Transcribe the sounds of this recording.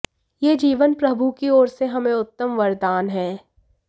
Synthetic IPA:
jeːd͡ʒiːʋənpɾɐbʱukiɔːɾseɦɐmẽʊt̪ːəmʋɐɾd̪aːnɦɛː

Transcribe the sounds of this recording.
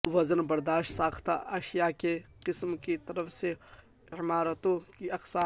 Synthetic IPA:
ʋɐzənbɐɾd̪aːʃt̪saːxt̪aʔɐʃijakeqɪsmkit̪ɐɾəfse | ɪmaːɾət̪õkiɐqsaː

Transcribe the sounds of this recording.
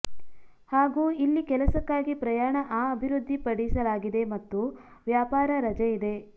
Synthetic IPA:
haːɡuːilːikɛlɐsɐkːaːɡipɾɐjaːɳɐʔaːɐbʱiɾud̪ʱːipɐɽisɐlaːɡid̪e̞mɐt̪ːu | ʋjaːpaːɾɐɾɐd͡ʒɐid̪e̞

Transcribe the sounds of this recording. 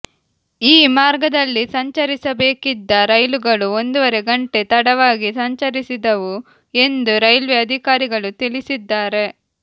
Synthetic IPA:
iːmaːɾɡɐd̪ɐlːisɐɲt͡ʃɐɾisɐbe̞ːkid̪ːɐɾɐjluɡɐɭuo̞nd̪uʋɐɾe̞ɡɐɳʈe̞t̪ɐɽɐʋaːɡisɐɲt͡ʃɐɾisid̪ɐʋu | e̞nd̪uɾɐjlʋeɐd̪ʱikaːɾiɡɐɭut̪ilisid̪ːaːɾe̞

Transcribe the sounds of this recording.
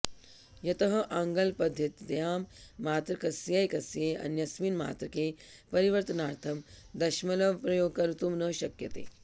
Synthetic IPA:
jɐt̪ɐɦɐʔaŋɡɐlpɐd̪ʱjɐt̪d̪jaːmːaːt̪ɾɐkɐsjɐjkɐsjeːɐ̰njɐsʋiːnma̰ːt̪ɾɐkeː | pɐɾiʋɐɾt̪ɐnaːɾt̪ʰɐmd̪ɐʃmɐlɐʋpɾɐjoːɡ̚kɐɾut̪umnəʃɐkjɐt̪ḛː

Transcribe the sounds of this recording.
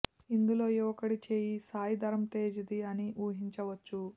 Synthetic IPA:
ind̪ulo̞ːiʋɐkɐɽit͡ʃeːjisaːjid̪ɐɾɐmt̪eːd͡ʒid̪iɐniʔuːɦiɲt͡ʃɐʋɐt͡ʃːu

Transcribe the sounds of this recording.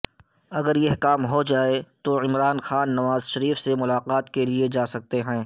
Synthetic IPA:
ɐɡəɾjeɦkaːmɦod͡ʒaːet̪oɪmɾaːnxaːnːɐʋaːzʃɐɾiːfsemʊlaːqaːt̪kelied͡ʒaːsɐk̚t̪eɦɛ̃ː

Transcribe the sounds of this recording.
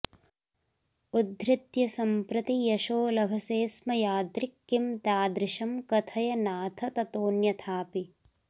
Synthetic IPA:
ud̪ɾɪt̪jɐsɐmpɾɐt̪ijɐʃoːlɐbʱɐseːsmɐjaːd̪ɾikːimt̪aːd̪ɾɪʃɐmkɐt̪ʰɐjɐnaːt̪ʰɐt̪ɐt̪oːnjɐt̪ʰaːpi

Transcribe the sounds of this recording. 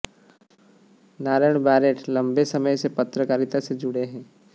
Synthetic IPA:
naːɾəɳ̃baːɾeːʈlɐ̃mbesɐməjsepɐt̪ɾəkaːɾɪt̪ased͡ʒʊɽeɦɛ̃ː

